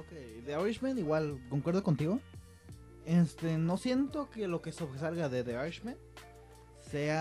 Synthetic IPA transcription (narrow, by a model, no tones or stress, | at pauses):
okejðeaɾiʃmẽniɣwalkoŋkweɾðokont̪iɣo | est̪enosjent̪okelokesoβɾes̬alɣaðeðeaɾit͡ʃmen | sea